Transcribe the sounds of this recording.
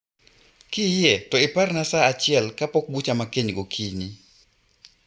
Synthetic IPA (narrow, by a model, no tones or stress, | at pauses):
kɪjɛtɔɪparnasaat͡ʃɪɛlkapɔk̚but͡ʃamakeɲɡokʰini